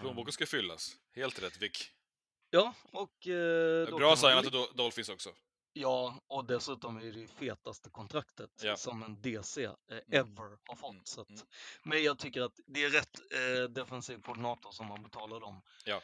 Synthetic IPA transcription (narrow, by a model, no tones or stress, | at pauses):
pʰloːnbuːkəskafʏlːa̰s | heːlt̪ɾɛt̪ːvɪkː | jɑːɔkd̪ɔɾɑːssajnad̪d̪ɔlfɪnsɔksɔ | jɑːɔd̪ɛsʉ̟ːt̪ɔmæɖɛfeːt̪ast̪əkʰɔnt̪ʰɾakt̪ət̪sɔmɛnd̪eːseːɛvəɾhaɾfɔt̪ːsat̪mɛnjɑːɡ̚t̪ʰʏkːəɾat̪d̪ɛæɾɾɛt̪ːd̪ɛfɛnsiːvkʰɔɖɪnɑːt̪ɔsɔmːanbɛt̪ʰɑːlad̪ɔm